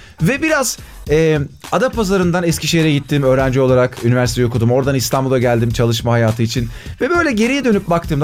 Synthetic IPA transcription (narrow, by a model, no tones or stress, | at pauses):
vɛbiɾaz̥ɛːad̪apʰːazaɾɯnd̪anɛscʲiʃejeɾɛɟit̪ʰːiːmø̞ːɾænd͡ʒio̞lˠaɾakynivæɾsit̪ejo̞kud̪umo̞ɾd̪anist̪ʰambulˠaɟælʲd̪imt͡ʃʰalˠɯʃmaɦajaːt̪ʰɯit͡ʃʰin | vɛbø̞jlʲɛɟe̞ɾijɛd̪ø̞nyp̚bak̚t̪ʰɯːmd̪